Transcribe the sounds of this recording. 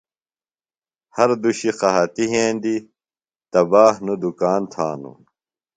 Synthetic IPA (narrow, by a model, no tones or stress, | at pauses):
hɐɾd̪uɕiqɐɦɐt̪iɦẽːnd̪i | t̪ɐbaːhnud̪ukaːnt̪ʰa̰ːnṵ